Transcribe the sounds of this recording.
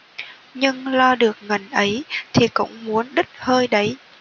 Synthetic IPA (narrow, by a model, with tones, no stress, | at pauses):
ɲɨ˧ŋlɔ˧ɗɨ˨˩ək̚ŋə˨˩nʔə˨˦jt̪ʰi˨˩kʊ̰˧˥ŋ͡mmu˨˦ənɗɨ˦˥t̚həː˧jɗə˨˦j